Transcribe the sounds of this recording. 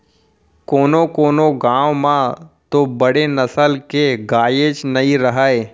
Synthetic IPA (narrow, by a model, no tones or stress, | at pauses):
koːnokoːnoɡãːʋmãt̪obɐɽenɐsəlkeɡaːjed͡ʒnɐɦĩɾəɦae